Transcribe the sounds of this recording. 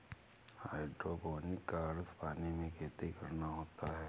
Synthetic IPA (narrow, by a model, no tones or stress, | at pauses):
haːɪɖɾoboːnɪkːaɾspaːnimẽkʰeːt̪ekɐɾnaɦoːt̪aɦɛː